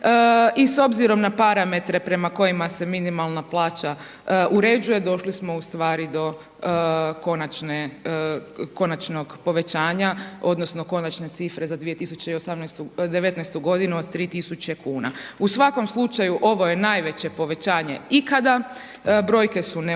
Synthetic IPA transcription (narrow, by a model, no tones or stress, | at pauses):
iso̞bziɾo̞mnapaɾame̞t̪ɾe̞pɾe̞mako̞jimase̞minimalˠnaplˠaːt͡ɕa | ʔuɾe̞ːd͡ʒuje̞d̪o̞ʃlismo̞ust̪ʋaːɾid̪o̞ | ko̞nat͡ʃne | ko̞nat͡ʃno̞ɡpo̞ʋe̞t͡ɕaːɲao̞d̪no̞sno̞ko̞nat͡ʃne̞t̪sifɾe̞zad̪ʋijet̪isut͡ɕeio̞samnɛjst̪ud̪eʋe̞t̪nɛjst̪uɡo̞d̪inuod̪t̪ɾiːt̪isut͡ɕe̞kuːna̰usʋako̞mslˠut͡ʃajuʔo̞ʋo̞je̞naːjʋe̞t͡ɕe̞po̞ʋe̞t͡ɕaːɲe̞ikad̪a | bɾo̞jke̞sune